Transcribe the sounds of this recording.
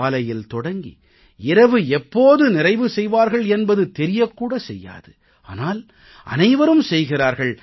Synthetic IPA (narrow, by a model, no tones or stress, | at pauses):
aːlɐjɪlt̪ɔɽɐŋɡḭ | ɪɾɐʋɯɛpːoːðɯnɪrɐɪʋɯsɛjʋaːɾɣɐɭɛnbɐðɯt̪ɛɾɪjɐkːuːɽɐsɛjːa̰ːðɯ | a̰ːnaːl | ʔɐ̰nɐɪʋɐɾɯmsɛjɣɪraːɾɣɐɭ